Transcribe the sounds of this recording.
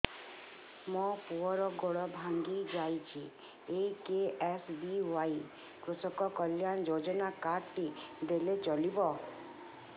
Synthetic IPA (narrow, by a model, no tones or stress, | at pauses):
mɔpuɔɾɔɡɔɭɔbʱaŋɡid͡ʒajt͡ʃʰi | ekeesbiwaj | kɾusɔkɔkɔljand͡ʒod͡ʒɔnakaɾʈid̪elet͡ʃɔlibɔ